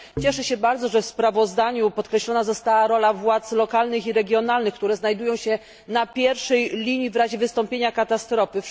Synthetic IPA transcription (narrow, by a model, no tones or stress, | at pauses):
t͡ɕɛʂɛɕɛbaɾd̪zɔʐɛfspɾavɔzd̪aɲupɔt̪̚kɾɛɕlɔnazɔst̪awaɾɔlavwat̪slɔkalnɘxiɾɛɡʲjɔnalnɘxkt̪uɾɛznajd̪ujɔ̃w̃ɕɛ | napʲjɛɾfʂɛjlʲiɲivɾaʑɛvɘst̪ɔmpʲjeɲakat̪ast̪ɾɔfɘ